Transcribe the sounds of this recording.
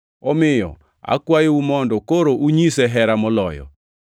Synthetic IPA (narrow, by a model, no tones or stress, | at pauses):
ɔmɪjɔ̰ | a̰kwajeumɔndɔkoɾoʔuɲisɛɦɛɾamɔlɔjɔ̰